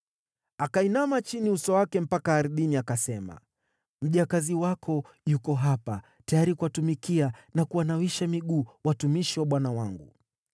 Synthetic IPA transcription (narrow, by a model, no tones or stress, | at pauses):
akainamat͡ʃiniusɔwakɛm̩pakaːɾɗiniakasɛma̰ | m̩ʄakaziwakʰɔ | jukɔɦapa | tajaɾikuwatumikianakuwanawiʃamiɠuːwatumiʃiwaɓwanawaŋɡṵ